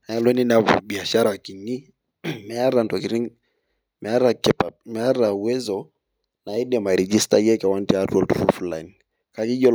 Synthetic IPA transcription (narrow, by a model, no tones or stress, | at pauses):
aalɔninaɓiaʃaɾaakini | mɛaɾantakiɾiŋ | mɛaɾakɛpamɛaɾauwɛzɔ | naidɛmaɾɛd͡ʒistajɛkawantiatwɔltuɾufulajn | kakiʄɔ